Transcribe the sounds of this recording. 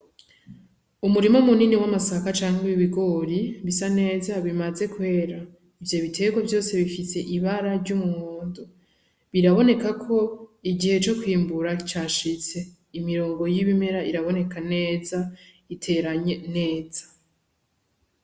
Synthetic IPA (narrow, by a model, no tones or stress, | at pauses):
umuɾimo̞muniniwamasakat͡ʃaːŋheiβiɡo̞ɾiβisane̞ːzaβimaze̞kwe̞ːɾa | ivjo̞βitʰe̞ɡwavjo̞ːse̞βifise̞ʔiβaɾaɾɟumuŋoːndo | βiɾaβo̞ne̞kakʰo̞iɟihe̞t͡ʃo̞kwiːmbuɾat͡ʃaːʃit͡se̞ | imiɾoːŋɡo̞jiβime̞ɾaʔiɾaβo̞ne̞kʰane̞ːza | itʰe̞ɾaɲene̞ːzḁ